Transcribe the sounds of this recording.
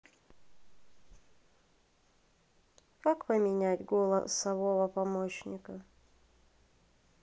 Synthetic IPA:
kakpəmʲɪnʲætʲɡolˠə̰sɐvovəpɐmoɕnʲɪkə

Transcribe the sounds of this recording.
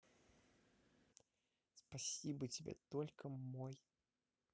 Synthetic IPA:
spasʲibɨt͡sʲibʲɛ̰t̪ɔlʲkɐmɔj

